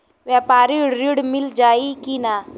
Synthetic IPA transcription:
ʋjaːpaːɾiɾɪɽmɪld͡ʒaːikina

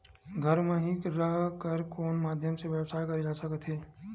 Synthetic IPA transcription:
ɡʱəɾmẽɦĩkɾəɦkəɾkoːnmaːd̪ʱjəmseʋjəwsaːjkɐɾed͡ʒaːsəkət̪ʰɦeː

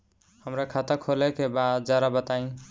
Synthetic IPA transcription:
həmɾakʰat̪akʰolekebad̪̚d͡ʒjaɾabət̪aĩ

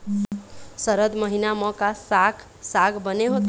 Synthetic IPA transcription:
səɾəd̪məɦinamə̃kasakʰ | saɡʰbəneɦot̪

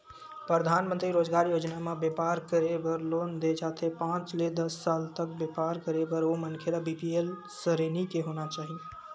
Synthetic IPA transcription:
pɾəd̪ʱaːnmə̃nt̪ɾiɾoːd͡ʒɡaːɾjoːd͡ʒnamãbjepaːɾkəɾebəɾloːnd̪et͡ʃaːt̪ʰepãːt͡ʃled̪ɐsːaːlt̪ək̚bepaːɾkəɾebəɾomənkʰelabiːpiel | səɾeːnikeɦoːnat͡ʃaːɦie

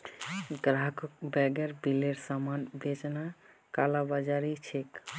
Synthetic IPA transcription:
ɡɾakkbɛɡeɾbileɾsamanbed͡ʒna | kalabəd͡ʒaɾit͡ʃʰek

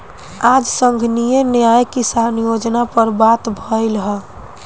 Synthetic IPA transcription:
ad͡ʒsəŋɡʱnijenjajkisanjod͡ʒnapəɾbat̪bʱəɪlɦə

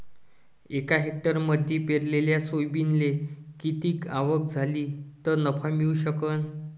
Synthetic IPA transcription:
ekaɦek̚ʈəɾməd̪ʱːipeɾleljasojbinlekit̪iːkaʋək̚d͡zʱaliːt̪əɾnəpʰamiuɕəkən

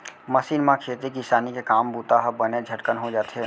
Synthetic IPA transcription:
mɐsiːnmãkʰeːt̪ɾikisaːnikekaːmbuːt̪aɦɐbəned͡ʒʱɐʈkənɦod͡ʒaːt̪ɦe

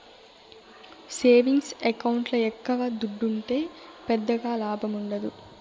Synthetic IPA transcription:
se̞ːʋiŋɡsɛkɐwuɳʈlɐɛkːɐʋaːd̪uɖːuɳʈe̞ːpɛd̪ːɐɡaːlaːbʱɐmuɳɖɐd̪u

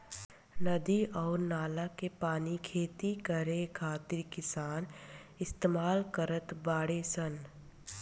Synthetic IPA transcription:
nəd̪iɔːɾnaːlakepaːnikʰeːt̪ikəɾekʰaːt̪ɪɾkɪsaːnɪst̪eːmaːlkəɾət̪baːɽesən

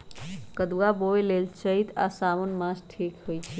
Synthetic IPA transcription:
kəd̪uwaboelelt͡ʃəit̪a̰samonmãsʈʰikɦojt͡ʃʰɛ

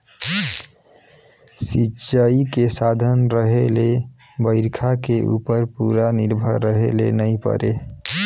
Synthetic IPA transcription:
sit͡ʃaikesad̪ʱənɾəɦele | bəɪɾkʰakeʔṵpəɾpuɾaniɾbʱəɾːəɦelḛnəjpə̰ɾe

